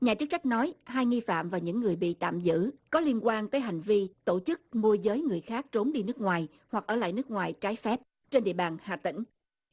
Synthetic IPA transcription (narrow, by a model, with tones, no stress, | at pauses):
ɲaː˨˩t͡ɕɨ˦˥k̚t͡ɕa˦˥k̚nɔ˨˦jɦaː˧jŋi˧fa̰ː˧˨mvaː˨˩ɲɨ̰˧˥ŋːɨ˨˩əjɓḭ˧˨t̪a̰ː˧˨mzɨ̰˧˥kɔ˨˦li˧ənkwaː˧nt̪əː˨˦jɦa˨˩jŋ̟vi˧t̪o˧˩t͡ɕɨ˦˥k̚mu˧əzəː˨˦jŋɨ˨˩əjxaː˦˥k̚t͡ɕo˨˦mɗi˧nɨ˦˥k̚ŋwaː˨˩j | hwa˨˩k̚ʔəː˧˩la̰ː˧˨jnɨ˦˥k̚ŋwaː˨˩jt͡ɕaː˨˦jfɛ˦˥p̚ | t͡ɕe˧nɗḭ˧˨əɓaː˨˩nha̰ː˨˩t̪ï˧˩ŋ̟